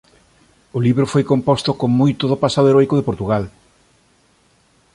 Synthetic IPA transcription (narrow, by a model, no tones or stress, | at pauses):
ʊliβɾofojkompɔst̪okoŋmojt̪oðopasaðoeɾɔjkoðepoɾt̪uɣal